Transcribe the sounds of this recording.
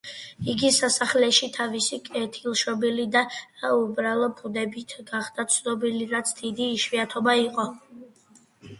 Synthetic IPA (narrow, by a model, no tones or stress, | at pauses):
iɡisasaχlɛʃit̪ʰavisikʼɛt̪ʰilˠʃɔbilid̪aaubɾalˠɔpʰʼud̪ɛbit̪ʰɡaχd̪̥at̪sʰnɔbiliɾat̪sʰd̪̥id̪iːʃwiat̪ʰɔbaiqʼɔ